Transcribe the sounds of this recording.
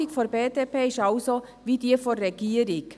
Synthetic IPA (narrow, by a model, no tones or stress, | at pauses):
ɪkfoɾbeːd̥eːpʰeːɪʃɑʊso | vidiːəfoɾːɛɡiːəɾɪk